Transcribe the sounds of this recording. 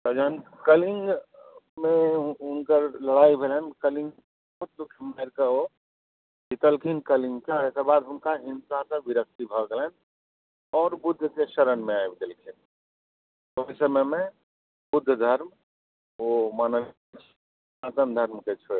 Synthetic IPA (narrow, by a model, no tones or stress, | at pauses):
t̪ɔd͡ʒankəliŋɡ | mẽʊnkəɾləɽaːibʱelɦənkəlĩŋɡ | bɦʊt̪̚lukʰəmaɾkəo | bit̪əlkʰinkəlĩŋɡkeekəɾbaːd̪ɦʊnkaɦĩnsasə̃ʋiɾək̚t̪ibʱəɡelən | ɔːɾbʊd̪ʱːkeʃəɾənmẽajbʱit̪əlkʰin | t̪osəməmẽ | bʊd̪ʱːd̪ʱəɾm | omaːnəlet͡ʃʰ | ãt̪ənd̪ʱəɾmket͡ʃʰo